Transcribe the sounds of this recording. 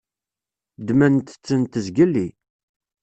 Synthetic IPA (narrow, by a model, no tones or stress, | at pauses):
d̪mænt̪ə̥t͡sːənt̪əzɡəlːi